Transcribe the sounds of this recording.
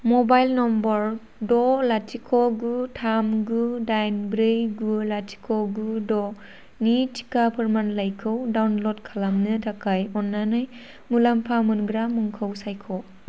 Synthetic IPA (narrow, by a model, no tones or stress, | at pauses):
mɔbajlnɔmbɔɾ | dɔlatʰikʰɔɡutʰamɡudajnbɾejɡulatʰi̥kʰɔɡudɔ | nitʰi̥kapʰɯɾmanlajkʰɯwdawnlɔdkʰalamnɯtʰakʰajɔnːanɯj | mulampʰamunɡɾamːuŋkʰawsajkʰɔ